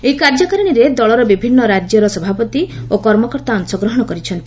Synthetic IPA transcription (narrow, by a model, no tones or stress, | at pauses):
eikaɾd͡ʒɔkaɾɔɽ̃iɾed̪ɔɭɔɾɔbibʱinːɔɾad͡ʒjɔɾɔsɔbʱapɔt̪iokɔɾmɔkɔɾt̪aɔŋsɔɡɾɔɦɔɽ̃ɔkɔɾit͡ʃʰɔnt̪i̥